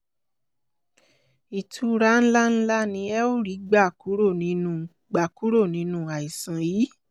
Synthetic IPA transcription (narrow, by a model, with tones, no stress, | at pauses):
i˨tʰu˨˧˦ɾa˦n̩˦la˦n̩˦la˦nĩ˧ɛ˦o˦ɾi˨˦ɡ͡ba˦˨ku˨˦ɾo˦˨nĩ˨˧˦nũ˦˨ | ɡ͡ba˨ku˨˦ɾo˦˨nĩ˨˧˦nũ˦a˨i˨sã˨ji˨˦